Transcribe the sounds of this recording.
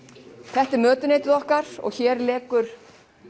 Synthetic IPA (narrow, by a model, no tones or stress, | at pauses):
θɛht̪ɪɾmœːt̪ʏneːjt̪ɪðɔhkaɾ̥ɔ̰ɣçɛːɾlɛːkʏɾ̥